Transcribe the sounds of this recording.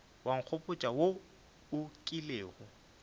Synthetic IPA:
waŋ̩k͡xʰopʼʊt͡ʃʼawo | ʊkʼileːɣʊ

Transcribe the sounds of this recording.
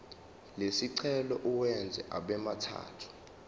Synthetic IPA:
lesiǀʰɛlɔʔuwɛnd͡zʱɛʔaɓɛmatʰa̰ːtʰu̥

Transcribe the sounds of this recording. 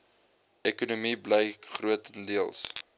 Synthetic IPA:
ɛkunumibləjkχruətəndiəlˠs

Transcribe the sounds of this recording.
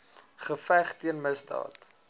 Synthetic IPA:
χəfæχtiənməsdɑ̰ːt

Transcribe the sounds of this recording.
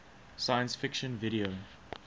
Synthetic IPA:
sajə̃nsfɪkʃə̃nvɪɾio

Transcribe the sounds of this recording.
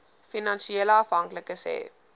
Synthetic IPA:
finɑnʃieləɐfɦɐŋkləkəsɛ̰ː

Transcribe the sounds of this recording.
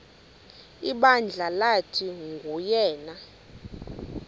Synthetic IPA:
iɓand͡ɮʱalatʰiŋɡʱujɛːna

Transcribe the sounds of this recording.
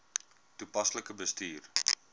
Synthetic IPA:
tupɐsləkəbəstiːr

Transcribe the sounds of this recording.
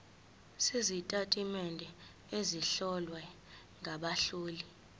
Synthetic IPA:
sizitʼatʼimɛndʱɛ | eziɬɔlwɛ | ŋʱaɓaɬuːli

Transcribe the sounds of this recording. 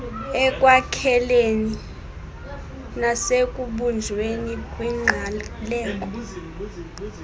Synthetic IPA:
ɛkʼwakʰɛleni | nasekʼuɓund͡ʒʱwenikʼwiŋ͡ǃʱalɛːk̬ʼɔ

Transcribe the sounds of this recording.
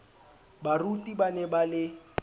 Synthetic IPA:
barutʼibanɛbalɪ

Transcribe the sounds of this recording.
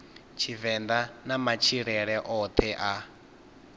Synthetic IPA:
t͡ʃʰivɛnd̪anamat͡ʃʰiɺɛɺɛʔɔt̪ʰɛʔa

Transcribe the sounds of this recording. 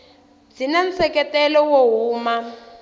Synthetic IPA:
t͡sinan̩t͡sɛkɛtɛlɔwoɦuːma

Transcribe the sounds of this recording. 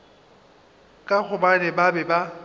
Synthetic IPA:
kʼak͡xʊbanɛbabɛba

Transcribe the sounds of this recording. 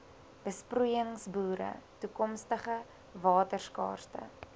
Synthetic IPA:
b̥əsprujəŋsbuːɾə̰tukɔmstəχə | vɑːtərskɑ̰ːrstə̰

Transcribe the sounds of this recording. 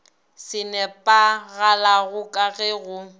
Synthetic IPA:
sɪnɛpʼaɣalaɣʊkʼaɣɛɣʊ

